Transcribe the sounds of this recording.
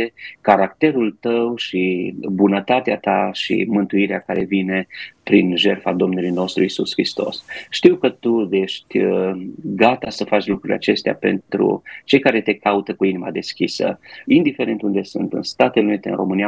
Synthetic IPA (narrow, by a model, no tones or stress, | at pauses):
ekaɾak̚t̪e̞ɾult̪əwʃibunət̪at̪eat̪aʃḭmɨnt̪uiɾeakaɾe̞vine̞pɾinʒe̞rfad̪o̞mnulujno̞st̪ɾuisuskɾist̪o̞̰sʃt̪iwkət̪ud̪e̞ʃt̪ʲ | ɡat̪asəfat͡ʃlukɾuilʲa̰t͡ʃe̞st̪ea̰pe̞̰nt̪ɾṵt͡ʃe̞jkaɾe̞t̪e̞kaut̪əkuinima̰d̪e̞skʲisə̰ind̪ife̞ɾe̞nt̪und̪e̞sunt̪ɨ̰nst̪at̪elelunit̪eɨ̰nrʔo̞̰mɨnija